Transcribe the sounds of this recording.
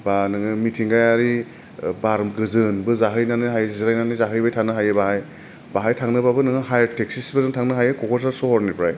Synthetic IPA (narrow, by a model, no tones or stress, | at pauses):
banɯŋɯmitʰiŋɡajaɾi | baɾmɡɯzɯnbɯzaɦɯjnanɯɦajzɾajnanɯjzaɦɯjbajtʰanɯɦajɯbaɦaj | b̥aɦajtʰaŋnɯbabɯnɯŋɯɦajaɾtek̚sisbɯzɯŋtʰaŋnɯɦajɯkɔkʰɔɾsaɾsɔhɔɾnipʰɾaj